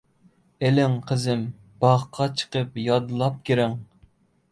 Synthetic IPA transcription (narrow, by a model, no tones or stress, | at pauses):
elɪŋqʰəzɪm | b̥ɑʁqʰɑt͡ʃʰə̥qəp̚jɑd̪ɨlˠɑp̚kʲeɾɪŋ